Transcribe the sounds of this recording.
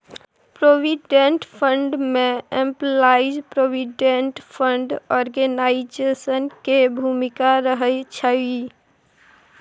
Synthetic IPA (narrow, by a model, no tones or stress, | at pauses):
pɾobiɖeɳʈpʰəɳɖmeemplaid͡ʒpɾobiɖeɳʈpʰəɳɖɔɾɡenaid͡ʒesənkebʱumikaɾəɦəjt͡ʃʰə